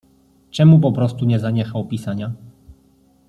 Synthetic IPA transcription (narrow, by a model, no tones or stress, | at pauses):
t͡ʂɛmup̬ɔpɾɔst̪uɲɛzaɲɛxawpʲisaɲa